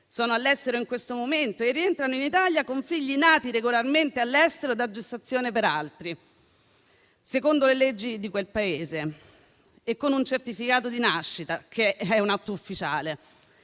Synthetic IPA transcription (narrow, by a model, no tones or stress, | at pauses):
sɔːnoalːɛst̪eɾoiŋkwest̪omoment̪oerːient̪ɾanoinit̪aljakoɱfiʎːinaːt̪iɾeɡolarment̪ealːɛst̪eɾod̪ad͡ʒːest̪at̪sːjoːnepeɾalt̪ɾi | sekond̪oleled͡ʒːid̪ikwelpaeːzeː | kːonunt͡ʃert̪ifikaːt̪od̪inaʃːit̪akʰeɛunat̪ːoufːit͡ʃa̰ːle